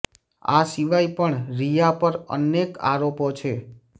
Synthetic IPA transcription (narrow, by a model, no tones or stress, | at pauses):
a̰siʋajpəɳɾijapəɾə̰neka̰ɾopot͡ʃʰe